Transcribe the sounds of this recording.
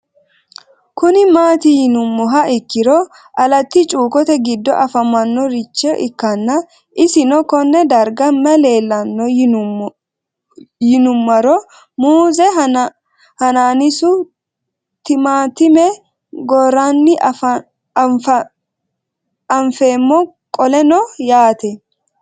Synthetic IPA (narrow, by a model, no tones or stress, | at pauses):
kʊnɪmaːt̪ɪjɪnʊmːɔɦɐɪkːɪɾɔ | ʔɐlɐt̪ːɪt͡ʃʼuːkɔt̪ɛɡɪd̪ːɔ̰ʔɐfɐmɐnːɔɾɪt͡ʃːɛʔɪkːɐnːɐ | ʔɪsɪnɔkɔnːɛd̪ɐɾɡɐmːɛle̞ːlːɐnːɔ | jɪnʊmːɐɾɔ | muːzɛ | hɐnaːnɪsʊ | t̪ɪmaːt̪ɪmɛ | ɡɔɾanːɪ | fɐ | ɐɱfe̞ːmːɔ | kʼɔlɛnɔjaːt̪ɛ